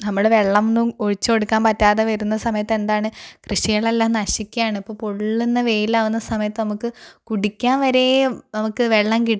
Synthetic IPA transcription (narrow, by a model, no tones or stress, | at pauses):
nɐmːɐɭʋe̞ɭːɐmnːumoɻit͡ɕːo̞ɽukːaːnpɐtːaːðeʋɐɾunːɐsɐmɐjɐt̪ːe̞nd̪aːɳɨkrɨɕɐjɐɭɐlːaːnnɐɕikʲːujaːɳipːoːpoɭːenːɐʋe̞ːjilaːʋunːɐsɐmɐjɐt̪ːɨnɐmukːɨkuɽikʲːaːnʋɐɾenɐmukːɨʋe̞ɭːɐmkiʈ